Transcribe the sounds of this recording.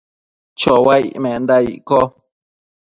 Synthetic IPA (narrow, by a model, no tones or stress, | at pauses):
t͡ʃowaḭʔmẽʔnd̪aḭʔko